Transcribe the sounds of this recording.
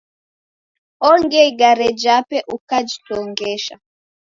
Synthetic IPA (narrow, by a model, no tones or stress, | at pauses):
ɔŋɡɛiɡaɾɛd͡ʒapɛʔukad͡ʒitɔŋɡɛʃa̰